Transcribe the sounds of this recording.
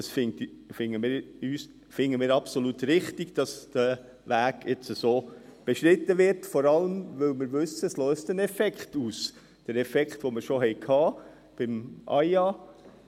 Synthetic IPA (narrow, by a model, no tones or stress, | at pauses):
ɑsfɪŋt | fɪŋəmɪːyːs | fɪŋəmɪːɾɑpsolutɾɪχtiɡ̥d̥ɑsd̥ɛ | ʋæːɡjɛt͡səsoːb̥eʃɾɪt̪əvɪɾtfɔɾɑləmʋɪlmɪɾʋɵsəslœːstənɛfɛkχtuːs | d̥əɾɛfɛkχtʋoməɾʃoɦɛɪkʰhɑː | b̥ɪmʔɑ̰ɪjɑː